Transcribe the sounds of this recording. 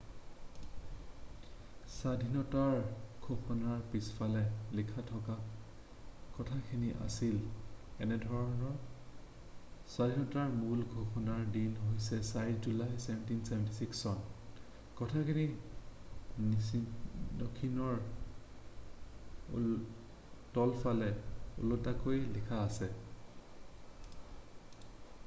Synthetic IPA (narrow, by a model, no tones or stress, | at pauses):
sadʱinɔtaɹɡ̥ʱoxɔnaɹpisfalɛlikʰatʰɔka | kɔtʰakʰiniʔa̰silɛnɛdʱɔɹɔnɔ | sadʱinɔtaɹmulɡʱoxʰɔnaɹdinɦojsɛsaɹid͡ʒulajsɛbʱɛntinsɛbʱɛntisiksɔn | kɔtʰakʰini | n | nɔkʰinɔɹ | tɔlfalɛṵlotakojlikʰaːsɛ